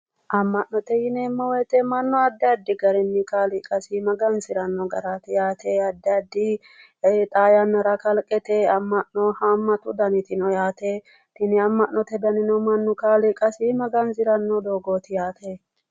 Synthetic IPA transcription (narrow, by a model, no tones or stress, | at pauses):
ʔɐmːɐʔnɔt̪ɛjɪnɛmːɔwɛt̪ɛmɐnːɔɐd̪ːɛɐd̪ːɪɡɐɾɛnːɪkaːlɪkʼɐsɪmɐɡɐnsɪɾɐnːɔɡɐɾat̪ɪjaːt̪ʰeɐd̪ːɪɐd̪ːɪ | t̪ʼaːjɐnːɐɾɐkɐlkʼɛt̪eɐmːɐʔnɔhɐmːɐt̪ʊd̪ɐnɪt̪ɪnɔjaːt̪e | t̪ɪnɪɐmːɐʔnɔt̪ɛd̪ɐnɪnɔmɐnːʊkaːlɪkʼɐsɪmɐɡɐnzɪɾɐnːɔd̪oːɡoːt̪ɪjaːt̪ʰe